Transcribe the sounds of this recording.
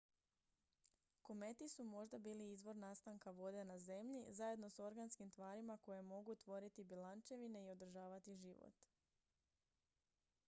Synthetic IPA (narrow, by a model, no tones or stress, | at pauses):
ko̞me̞t̪isumo̞ʒd̪abiːliizʋo̞ɾnast̪aŋkaʋo̞d̪e̞naze̞mʎizaje̞d̪no̞so̞ɾɡanskimt̪ʋaːɾimako̞je̞mo̞ɡut̪ʋo̞ɾit̪ibilant͡ʃe̞ʋine̞io̞d̪ɾ̩ʒaːʋat̪iʒiʋo̰t̪